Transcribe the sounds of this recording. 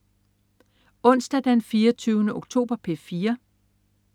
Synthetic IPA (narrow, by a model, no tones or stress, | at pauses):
ɔ̽n̰sd̥æd̥enfiːɐt͡sʰyːʊnəʔoɡ̥t͡sʰo̝̰ːb̥ɐpʰe̝fiːɐ